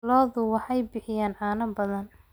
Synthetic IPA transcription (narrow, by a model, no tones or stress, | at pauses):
lɔːðʊwɑħɑjbɪħɪjaːnʕɑːnɐbɐðɐn